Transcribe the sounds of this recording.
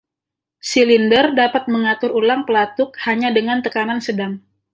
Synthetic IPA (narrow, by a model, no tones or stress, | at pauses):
silindərdapat̪̚məŋat̪ʊɾulaŋpəlat̪ʊk̚haɲadəŋant̪əkanansədaŋ